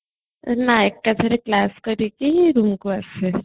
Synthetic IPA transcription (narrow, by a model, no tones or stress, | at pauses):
naek̚kat͡sʰəɾeklaskəɾikiɦiɾumkuase